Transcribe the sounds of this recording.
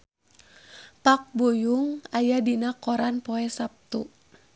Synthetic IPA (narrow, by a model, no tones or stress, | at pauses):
pak̚bujuŋajadinakɔɾanpɔɛsap̚t̪u